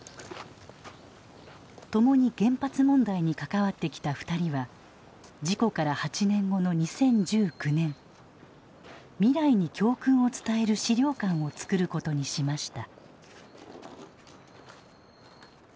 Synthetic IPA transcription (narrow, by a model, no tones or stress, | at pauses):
t̪o̞mo̞ɲ̟iɡẽ̞mpat͡sɨmõ̞nd̪aiɲ̟ikakaβat̪ːe̞kʲi̥t̪aɸɯ̥t̪aɾʲiβa | d͡ʑiko̞kaɾahat͡ɕinẽ̞ŋɡo̞no̞ɲ̟isẽ̞ɲd͡ʑɨːkɯ̟nẽ̞ɴ | mʲiɾaiɲ̟ikʲo̞ːkɯ̟̃ɰ̃o̞t͡sɨ̥t̪ae̞ɾɯ̟ɕiɾʲo̞ːkãɰ̃o̞t͡sɨ̥kɯ̟ɾɯ̟ko̞t̪o̞ɲ̟iɕimaɕi̥t̪a